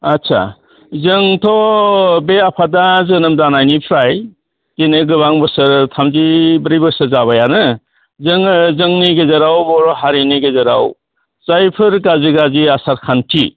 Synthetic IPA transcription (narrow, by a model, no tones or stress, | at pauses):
atsʰa̰ | zɯŋtʰɔbeapʰadazɯnɯmdanajnipʰɾaj | tenɯɡɯβaŋbɯsɯɾtʰamzibɯɾibɯsɯɾzaβajanɯ | zɯŋɯzɯŋniɡezɯɾawbɔɾɔɦaɾiniɡezɯɾaw | zajpʰɯɾɡaziɡaziasaɾkʰantʰi